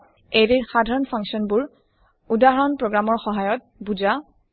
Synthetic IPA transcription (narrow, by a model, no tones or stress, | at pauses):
eɹiɹxadʱaɹɔnpʰaŋksiɔnbʊɹ | udaɦɔnpɹɔɡɹamɔɹxɔɦajɔt̚bud͡ʒa